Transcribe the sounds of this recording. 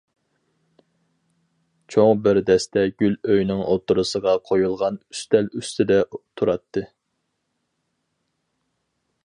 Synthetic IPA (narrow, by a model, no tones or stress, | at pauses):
t͡ʃʰoŋbɪɾd̪ɛst̪ɛɡʲyløjnɪŋot̪uɾusəʁɑqʰojulˠʁɑnyst̪ɛlyst̪ʰɪd̪ɛt̪ʰuɾɑt̪ʰːɨ